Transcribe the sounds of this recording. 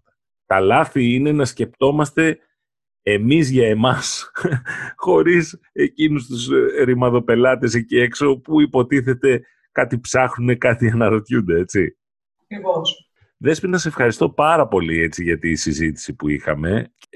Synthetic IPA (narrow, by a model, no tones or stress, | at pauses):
t̪ɐlɐθiine̞nɐsce̞pt̪o̞mɐst̪e̞ | emizʝɐe̞mɐs | xo̞ɾis | e̞cinus̬t̪usɾimɐðo̞pe̞lɐt̪e̞secie̞kso̞puipo̞t̪iθe̞t̪e̞ | kɐt̪ipsɐxnune̞kɐt̪iɐnɐɾo̞t̪çund̪e̞e̞t͡si | ɐkɾivos | ðe̞spinɐse̞fxɐɾist̪o̞pɐɾɐpo̞lie̞t͡siʝɐt̪isizit̪i̥sipuḭxɐ̰me̞